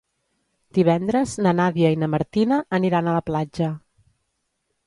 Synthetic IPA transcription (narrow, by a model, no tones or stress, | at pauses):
d̪̥iβ̞ɛnd̪ɾəznənaβjəinəməɾt̪inəːniɾanələplad͡ʒə